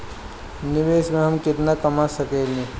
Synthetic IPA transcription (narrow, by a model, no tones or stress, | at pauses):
nɪʋeːsmẽɦɐmkɪt̪nakɐmasəkeːlĩ